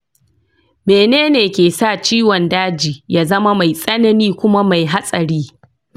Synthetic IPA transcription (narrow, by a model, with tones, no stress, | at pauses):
meː˨neː˦neː˨kʲeː˨saː˦˨t͡ʃiː˦wɔ˨ndaː˦d͡ʒiː˨jaː˦zɐ˦ma˦ma˨jsʼɐ˦nɐ˦niː˦kʷʊ˦ma˦ma˨jɦa˦sʼɐ˨ɾiː˦